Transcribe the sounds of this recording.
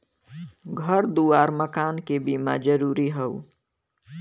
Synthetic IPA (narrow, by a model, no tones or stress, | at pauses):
ɡʱəɾd̪uːaːɾməkaːnkebimad͡ʒəɾuːɾiɦɛu